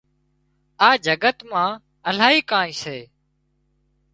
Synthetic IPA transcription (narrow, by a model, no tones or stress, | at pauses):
aːd͡ʒʱəɡət̪mãː | əl̤aːiːkãːĩːseː